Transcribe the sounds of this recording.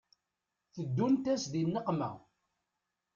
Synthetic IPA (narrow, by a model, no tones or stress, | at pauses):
θəd̪ːunt̪æsðinːəqmæ̰